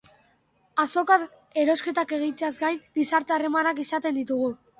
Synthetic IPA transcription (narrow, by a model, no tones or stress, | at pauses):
aso̞ka | e̞ɾo̞ske̞t̪ake̞ɣ̞it̪eazɡajnɡisaɾt̪e̞are̞manakisat̪e̞nd̪it̪uɣ̞u